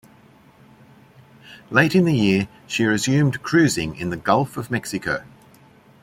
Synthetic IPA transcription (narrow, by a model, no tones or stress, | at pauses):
leɪtɪ̃nðəjɪə | ʃiɹɪzjʉ̃ːmkʰɹ̥ʉːzɪ̃ŋɪ̰̃nðəɡʌlˠfəvmɛksɪkʰəʊ